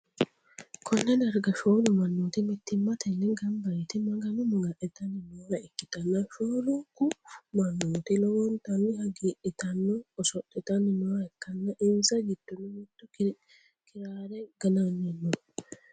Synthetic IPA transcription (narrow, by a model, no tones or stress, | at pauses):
kʰɔnːɐd̪ɐɾɡɐʃoːlʊmɐnːuːt̪ɪmɪt̪ːɪmːɐt̪ɛnːɛɡɐmbɐɾɛt̪ɪmɐɡɐnʊmɐɡɐʔɛt̪ɐnːɪnoːɐɪkːɪt̪ɐnːɐʃoːlʊkːʊmɐnːuːt̪ɪlɔwɔnt̪ɐnːɪhɐɡiːʔɪt̪ɐnːɔɔsɔt̪ʼːɛt̪ɐnɪnɔːɐɛkːɐnːɐʔɪnzɐɡɪd̪̥ːɔnːʊmɪt̪ːʊ | kɪɾaːɾɛɡ̥ɐnanːɛnːɔ